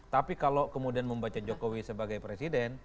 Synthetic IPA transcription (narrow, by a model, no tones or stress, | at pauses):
t̪apikalokəmudianməmbat͡ʃad͡ʒokowisəbaɡajpɾesidɛn